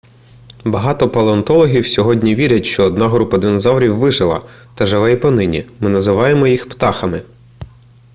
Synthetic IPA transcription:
bɐɦɑt̪ɔpɐlˠeɔnt̪ɔlˠɔɦʲiwsʲɔɦɔdʲnʲiʋʲiɾʲɐtʲʃt͡ʃɔːd̪nɑɦɾupɐd̪ɪnɔzɑwɾʲiwːɪʒɪlˠɐ̰ | t̪ɐʒɐʋɛjipɐnɪnʲḭmɪnɐzɪʋɑjemɔjixpt̪ɑxɐmɪ

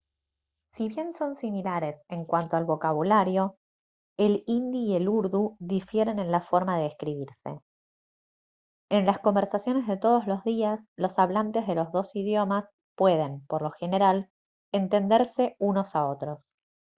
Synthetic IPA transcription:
siβje̞nso̞nsimilaɾe̞se̞ŋkwant̪oalβo̞kaβulaɾjo̞ | elind̪iːe̞luɾðuðifje̞ɾe̞nẽnlafo̞ɾmaðeːskɾiβiɾse̞̰ | enlasko̞mbe̞ɾsasjo̞ne̞zðe̞t̪o̞ð̞o̞zlo̞zðiaslo̞saβlant̪e̞zðe̞lo̞zðo̞siðjo̞mas | pwe̞ð̞e̞mpoɾlo̞xe̞ne̞ɾal | ent̪e̞nd̪eɾse̞uno̞sao̞t̪ɾo̞s

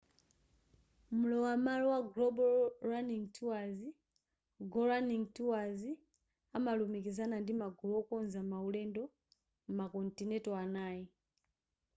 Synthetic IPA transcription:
mulɔwamalɔwaɡlɔbɔɾaniŋtʰuwazi | ɡɔɾaniŋtiwazi | amalumikizanandimaɡuwɔkɔnzamaulɛndɔ | makɔntinɛtɔanaːji

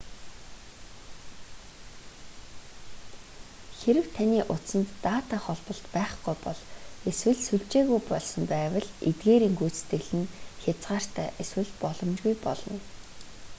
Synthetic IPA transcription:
xeɾɘ̆wt̪ʰaniːʔʊt͡sə̆nt̪ːaːt̪aːχɔɮpɞ̆ɬt̪pæːχɡujpɔɮeswɘ̆ɮsuɮt͡ɕeːɣujpɔɮsɞ̆mpæːwə̆ɮḛt̪ɡeːɾiːŋɡujt͡st̪ĕɮɘ̆nxʲat͡sʁaːr̥t̪ʰæːʔeswɘ̆ɮpɔɮɞ̆mt͡ɕɣujpɔ̰ɮɞ̆n

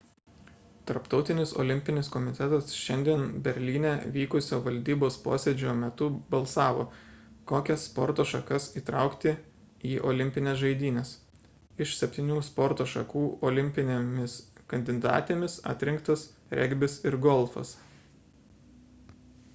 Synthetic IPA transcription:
t̪ɐɾpt̪ɒʊt̪ʲɪnʲɪso̰ːlʲɪmʲpʲɪnʲɪskɔmʲɪt̪ʲɛt̪ɐsʃʲɛnʲd̪ʲiɛnbʲɛɾʲlʲiːnʲɛʋʲiːkʊsʲoːʋɐlʲd̪ʲiːboːspo̰ːsʲɛd͡ʒʲoːmʲɛt̪ʊbɐlˠsɑːʋo̰ːkoːkʲɛspɔɾt̪oːʃɐkɐsiːt̪ɾɑˑʊkt̪ʲɪ | iːʔoːlʲɪmʲpʲɪnʲeːsʒɐɪd̪ʲiːnʲɛːs | ɪʃsʲɛpʲt̪ʲiːnʲuːspɔɾt̪oːʃɐkuːɔːlʲɪmʲpʲɪnʲemʲɪskɐnʲd̪ʲɪd̪ɑ̰ːt̪ʲeːmʲɪsɐ̰ːt̪ʲɾʲɪŋkt̪ɐs | ɾʲʔɛ̰ɡʲbʲɪsɪɾɡɔlˠfɐ̰s

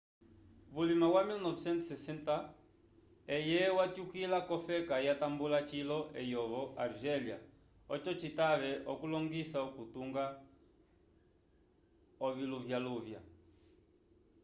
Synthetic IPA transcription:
βulimawamilnɔvɛsɛnt̪sɛsɛnta | ɛjɛwat͡ʃukilakɔfɛkajatambulat͡ʃilɔʔɛjɔβɔʔaɾʒɛlia | ɔt͡ʃɔt͡ʃitaβɛʔɔkulɔŋɡisaɔkutuŋɡa | ɔviluvjaluvja̰

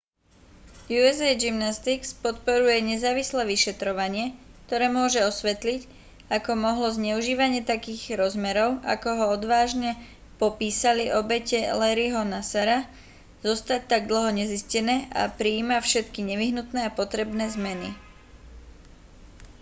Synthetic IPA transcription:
juɛzɛjd͡ʒimnast̪ikspɔt̪̚pɔɾujɛɲɛzaːʋislɛːʋiʃɛt̪ɾɔʋaɲɪɛkt̪ɔɾɛːmʊɔʒɛɔsʋɛt̪lic | akɔmɔɦlɔzɲɛuʒiːʋaɲɪɛt̪akiːɣɾɔzmɛɾɔʊʔa̰kɔɦɔɔd̪ʋaːʒɲɛ | pɔpiːsaliʔɔbɛcɛlɛɾiɦɔnasaɾa | z̥ɔst̪ac̚t̪aɡd̪l̩ɦɔɲɛziscɛnɛːʔa̰pɾiːmafʃɛt̪kiɲɛʋiɦnut̪nɛːapɔt̪ɾɛbnɛːzmɛnḭ

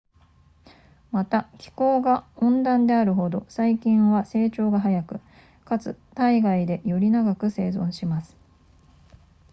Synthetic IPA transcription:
mat̪akʲi̥ko̞ːɡaõ̞nd̪ãnd̪e̞aɾɯ̟ɦo̞d̪o̞saikʲĩɰ̃βase̞ːt͡ɕo̞ːɡaɦajakɯ̟ | kat͡sɨ̰t̪aiɡaid̪e̞jo̞ɾʲinaɡakɯ̟se̞ːzõ̞ɰ̃ɕimasɨ̥

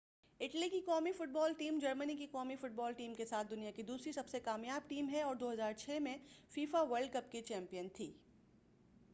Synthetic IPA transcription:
ɪʈlikikɔːmifʊʈ̚bɔːlʈiːmd͡ʒɐɾmənikikɔːmifʊʈ̚bɔːlʈiːmkesaːt̪̚ʰd̪ʊnijakid̪uːsɾisɐbsekaːmjaːb̚ʈiːmɦɛɔːɾd̪oːɦɐzaːɾt͡ʃʰɛːmẽfiːfaʋɐɾɖ̚kɐpkit͡ʃɛ̃ːmpijənt̪ʰiː

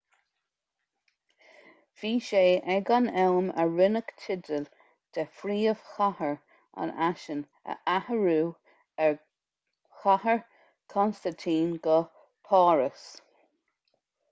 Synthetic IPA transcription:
v̥iːʃeːʔɛɡanɛlmə̰ɹɪnəktʰɪdəl | d̪̥ʰɛfɾiːəv̥xahəɹ | a̰naʃən | ə̰ʔahəɹuː | ɛɹ | xahəɹ | kʰɔnst̪ant̪ʰiːnɡə | pʰɑːɹəs

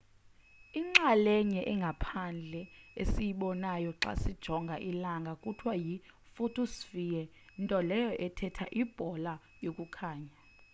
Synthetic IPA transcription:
iŋ͡ǁalɛɲɛʔɛŋɡʱapʰand͡ɮʱɛesijiɓɔnajɔǁa̰sid̥ʒ̥ʱɔŋɡʱaʔilaŋɡʱakʼutʰwaji | fotʰosfijɛ | ntʼɔlɛjɔʔɛtʰɛtʰa̰ʔib̥ʱɔla | jokʼukʰaːɲa

